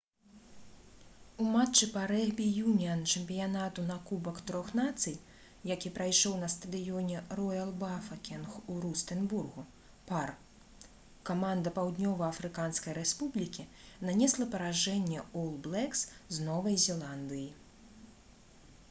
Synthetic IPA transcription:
umat͡ʂːɨpaɾɛɣbʲijumʲiɐnt͡ʂɛmʲpʲijanat̪unakubɐkt̪ɾɔxnat̪sɨj | jakʲipɾajʂɔwnɐst̪ɐd̪ɨjɔnʲɛrɔjɐlˠbafɐkʲɛnxuɾust̪ɛnburɣu | par | kamand̪ɐpawd̪nʲɔvɐɐfɾɨkanskɐjɾɛspublʲikʲinanʲɛslˠɐpɐɾaʐɛnʲːɛɔlˠblˠɛksznɔvɐjzʲɛlˠand̪ɨji

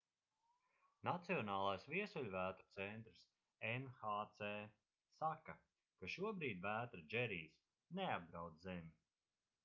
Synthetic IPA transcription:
nat̪siɔnaːlˠajsviɛsulʲvæːt̪ɾut̪sɛnt̪ɾɨs | ɛnxaːt̪sɛː | saka | kaʃuɔbɾiːd̪ʲvæːt̪ɾad͡ʒɛɾiːs | neab̚d̪ɾawd̪zɛmʲi

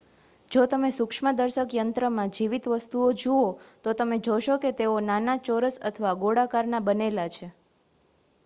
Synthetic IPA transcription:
d͡ʒot̪əmesukʂməd̪əɾʃəkjənt̪ɾəmãd͡ʒiʋit̪ʋəst̪uod͡ʒuot̪ot̪əmed͡ʒoʃoket̪eonanat͡ʃoɾəsə̰t̪ʰəʋaɡoɽakaɾnabənelat͡ʃʰe

